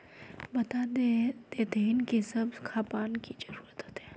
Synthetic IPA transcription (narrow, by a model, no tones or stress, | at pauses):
bɐt̪ad̪ed̪̥ed̪enkisɐbkʰaːpaːnkid͡ʒɐɾuːɾət̪ɦot̪ɦɛː